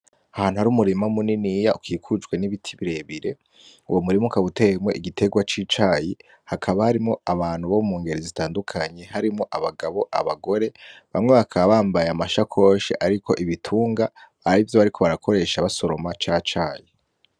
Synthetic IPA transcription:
ahaːn̥huhaɾuːmuɾimamuninijaukʰiːkʰud͡ʒɡwe̞niβitʰiβiɾe̞βiɾe̞ | uwomuɾimukaβutemweʔiɡitʰe̞ɡwat͡ʃiːt͡ʃaːji | hakʰaβahaɾimŋo̞aβaːn̥huβomumuːŋɡe̞ɾezitaːndukʰaɲe̞haɾimoʔaβaɡaβo̞ʔa̰βaɡo̞ɾe̞βamŋe̞βakʰaβaːmbajamaʃakʰo̞ːʃḛʔaɾikʰo̞̰ʔiβitʰuːŋɡaː | ɾivjo̞βaɾiko̞βaɾakʰo̞ɾe̞ːʃaβaso̞ɾo̞mat͡ʃaːt͡ʃaːji

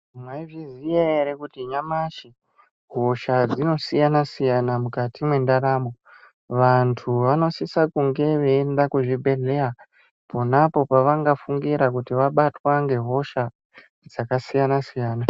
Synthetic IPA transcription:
mwaivizieeɾekutiɲamaʃi | ɦo̞ʃad͡zino̞sijanasijanamukatimwe̞ndaɾaːmo | ʋantʰuʋano̞sisakuŋɡe̞ʋe̞ːndakuʐibʱe̞ɮe̞a | ponapo̞paʋaŋɡafuŋɡiɾakutiʋaɓatwaŋɡe̞ɦo̞ʃa | d͡zakasijanasijaːna

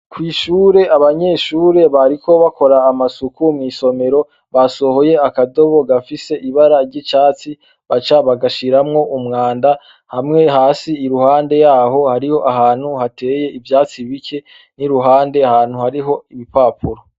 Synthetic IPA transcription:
kwiːʃuːɾe̞ʔaβaɲe̞ʃuːɾe̞βaɾikʰo̞βako̞ɾaːmasukumŋiːso̞me̞ɾo̞ | βaso̞ho̞je̞akado̞βo̞ɡafise̞ʔiβaɾaɾɟit͡ʃaːt͡si | βat͡ʃaβaɡaʃiɾamŋo̞ʔumŋaːnda | hamŋe̞ɦaːsiːɾuhaːnde̞jaːɦo̞haɾiho̞ʔaɦaːn̥huhate̞ːje̞ʔivjaːt͡siβikʰe̞ | niɾuɦaːnde̞ahaːn̥huhaɾiɦo̞ipaːpʰuɾo

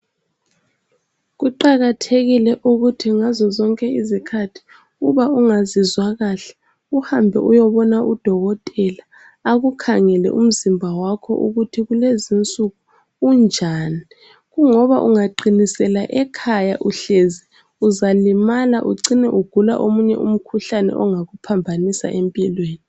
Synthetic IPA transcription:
ɣuǃaɣatʰeɣilɛʔuɣutʰiŋazɔzɔŋkʼɛizikʰatʰi̥ | uβauŋazizwaɣaɬɛ̥ | uhambʱɛ̰ʔujɔβɔnaʔud̥ʱɔɣɔtʼɛlaː | ɣukʰaŋɛlɛ̰ʔṵm̩zimbʱawakʰɔ̰ʔṵɣutʰiɣulezint͡sʼuɣuː | nd͡ʒʱaːni | ɣuŋɔβaʔuŋaǃinisɛlaʔɛkʰajaʔuɬezi | uzalimalaʔuǀinɛʔuɡ̥ʱula̰ʔomuɲɛ̰ʔum̩kʰuɬanɛ̰ʔɔŋaɣupʰambʱanisa̰ʔempʼilweːni

